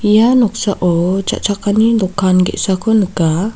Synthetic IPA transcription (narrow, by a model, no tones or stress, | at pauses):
ijanɔk̚saʔɔt͡ʃa̰ʔt͡ʃakanidɔkanɡɛ̰ʔsakonəɡa